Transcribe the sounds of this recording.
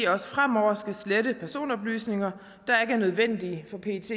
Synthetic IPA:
ɒ̽sə̥fʁam̰ɒʊ̰ɐsɡ̥æsledəpʰæɐso̝̰ːnɒ̽b̥ly̰ːsne̝ŋɐ | d̥ɑ̈e̝ɡ̥əæɐnøð̞ˠʋen̰d̥ifɒ̽pʰe̝t͡sʰe̝̰

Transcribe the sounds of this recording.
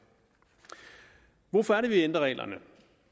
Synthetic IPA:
ʋɔfɒ̽æɐɾəʋiend̥ʁɐʁɛ̰ːlʔɐ̰nə

